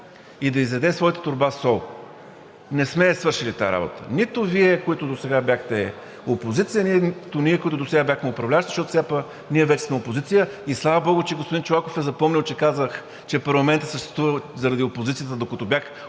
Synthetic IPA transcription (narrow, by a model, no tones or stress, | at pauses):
id̪ɐizvɛd̪ɛsvɔjt̪ə̥t̪ʊɾbasɔlˠ | nɛsmɛsvɤɾʃilit̪a̰ɾa̰bo̰t̪ə̰nit̪ʊviɛkoit̪ʊd̪osɛɡabjaxt̪ɛ | opozit̪sijəniɛt̪ʊniɛkoit̪ʊd̪osɛɡabʲjaxmɛopɾɐvlʲaʃt̪zəʃtɔt̪sʲapɐ | niɛvɛt͡ʃɛ̥smɛopozit̪sijəislˠavəbɔɡʊt͡ʃɛɡospʊd̪int͡ʃolˠakofɛzɐpɔmnʲilˠt͡ʃɛkazəx | t͡ʃɛpɐɾlˠɐmɛnt̪əsəʃt̪ɛ̥st̪vuvəzɐɾɐd̪iopozit̪sijət̪əd̪okət̪ɔbʲjax